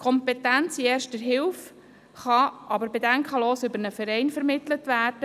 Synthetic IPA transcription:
kʰɔmpɛtænt͡siɛːɾʃt̚d̥ɛɾɦɪwf | χɑʔɑbəɾbedɛŋkχɑloːsʏbəɾnəfəɾɛɪnfəɾmɪtlətʋæːrd̥ə

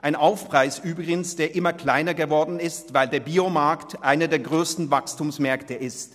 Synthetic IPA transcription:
ʔaɪnʔaʊfpʁ̥aɪsʔyːbʁɪɡən̩sd̥eːɐʔɪmɐkl̥aɪnɐɡəvɔɐdn̩ɪstv̥aɪldeːɐbiːomaɐktʔaɪnədeːɐɡʁøːstn̩vakstuːmsmɛɐktəʔɪst

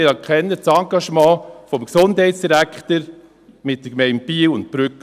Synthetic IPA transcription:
ɪɾɛkʰɛnːət͡sɑŋɡɑʃmɑ̃ːfɔmksʊndhɛɪtsd̥iɾækχtəɾ | mɪt̚dəkmɛɪnt̚piːwʊnt̚b̥ɾʏk

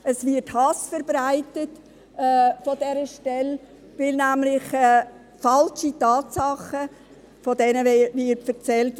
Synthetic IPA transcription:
əsvɪthɑsfəɾbɾaɪtətː | fɔdɛɾəʃtɛl | vɪlnæmlɪχɛ | fɑlʃitɑːtsɑχə | fodɛnəvɪːtfərt͡sɛlt

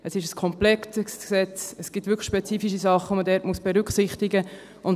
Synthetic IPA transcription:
əsɪʃəskʰɔmplɛktəksɛt͡səsɡ̥ɪtʋʏɾkʰχə̥ʃpɛt͡siːfiʃ̬isɑχəʋomədɛːɾtmusb̥ɛɾʏkχsɪχt̪iɡə | ʊn

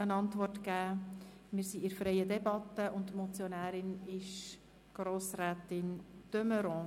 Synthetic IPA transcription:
ənɑntʋɔrtkæːmɪːɾsiɪɾfɾɛɪədɛbɑt̪ːəʔʊntmɔt͡sjɔnæːɾɪnɪʃ | ɡ̥ɾoːsɾæːt̪ɪntøməɾɔ̃

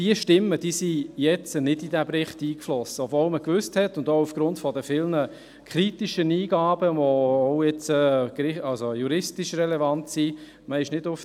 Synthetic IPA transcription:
d̥iəʃtɪmːəd̥iːsijɛt͡sənɪdidæbɾɪχtiːkflɔsəɔvɔlməkʋʏsthɛtʊndoufɡ̥ɾʊntfɔdəfɪlnə | kʰχɾitiʃəniːɡ̥ɑːbəʋoʊɛt͡səkɾɪɑlsojuɾɪstiʃrɛlɛvɑntsi | məɪʃnɪdʊf

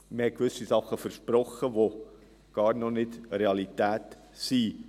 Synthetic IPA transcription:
məhɛt̚kʋʏsisɑχːəfəɾʃpɾɔχəvo | ɡ̥ɑːɾnɔnɪdɾeɑlitæːt | si

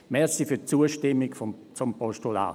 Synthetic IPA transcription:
mɛsifyɐt͡suəʃtɪmiɡt͡sompɔstola̰ː

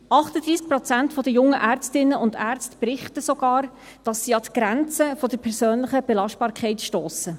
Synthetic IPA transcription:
ɑχtəd̪ɾiːsk̚pɾɔt͡sæntfɔdəjʊŋːəʔæːɾt͡stɪnːəʔʊndæːɾt͡stpɾɪχtəsɔɡɑːɾ | d̥ɑsːiːɑt̪ɡ̥ɾænt͡səfɔd̥əɾpʰɛɾsøːnlɪχəb̥ɛlɑʃt̚b̥ɑːɾkʰχɛɪtʃtoːsə

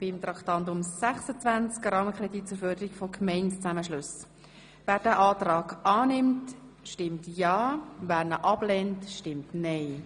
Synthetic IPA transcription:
b̥ɪmt̪ɾɑktɑntʊmsæχsət͡svænt͡skrɑːməkrɛdiːt̚t͡sʊɾfœːɾdəɾikfɔkʰmɛɪntt͡sæməʃlʊs | væːɾd̥æːʔɑːtɾɑːɡɑːnɪmtʃtɪmtjɑːvæːɾnəʔɑb̥lɛntʃtɪmtnɛɪ

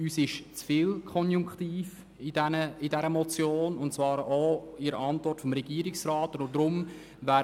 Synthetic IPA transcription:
yːsɪʃt͡sfiːlkʰɔnjʊŋktiːf | ɪdɛnəɪdɛɾəmɔt͡sjoːnʊntt͡svɑːɾoɪɾəʔɑntvɔrtfɔmɾɛɡ̥iəɾiksraːtʊnʊd̥ɾʊm | væː

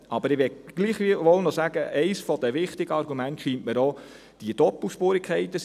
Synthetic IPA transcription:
ɑbəɾɪʋɛɡ̥liːχʋiʋɔlnɔsæːɡəʔɛɪsfɔd̥̪əʋɪχt̪ɪɡ̥əɑrɡumæntʃiːntməɾɔ | d̥iəd̥ɔpl̩ʃpoːɾikʰχɛɪt̪əs

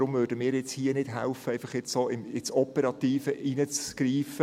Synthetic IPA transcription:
ɾʊmvøːɾdəmɪːɾjɪt͡shiːənɪd̥ɦɛʊfəæɪfɑχjɛt͡ssoːɪmɪt͡sɔpəɾɑt̪iːfəʔinət͡sɡ̥riːfə

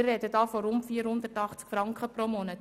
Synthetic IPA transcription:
rrɛdədɑːfɔɾʊntfiːəɾhʊnd̪ətɑχt͡skfɾɑŋkχəpromɔnət

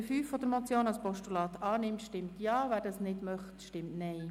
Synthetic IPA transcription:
fyːfːɔd̥̪əɾmɔt͡sjoːnɑlspɔʃtulɑːtɑːnɪmtʃtɪmtjɑːvæːɾdɑsnɪdmœχtʃtɪmtnɛɪ

